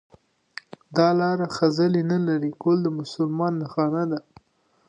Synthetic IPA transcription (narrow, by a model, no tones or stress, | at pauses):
d̪ɑlɑɾaxazəlinəlaɾikold̪əmʊsʊlmɑnːəxɑnad̪a